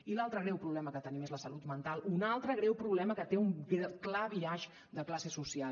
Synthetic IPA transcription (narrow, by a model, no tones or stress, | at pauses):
ilalˠt̪ɾəɣɾɛwpɾuβlɛməkət̪ənimezləsəlut̪mənt̪alˠunalˠt̪ɾəɣɾɛwpɾuβlɛməkət̪eumɛklaβiaʒ | d̪əklasesusia